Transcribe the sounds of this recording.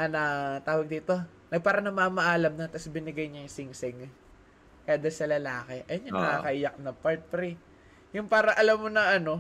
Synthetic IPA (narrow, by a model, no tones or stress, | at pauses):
ʔɐnɐt̪aːwɐɡ̚d̪iːt̪o̞ | nɐɡ̚paːɾɐnɐmamɐʔaːlɐmnɐt̪ɐsbɪnɪɡɐjɲɐjʊŋsɪŋsɪŋ | kɐjad̪ɐlsɐlɐlaːkɛʔɐjonɲɐnɐkakɐʔɪjɐk̚nɐpaɹt̪̚fɾi | jʊŋpaːɾɐʔɐlɐmːonɐɐno̞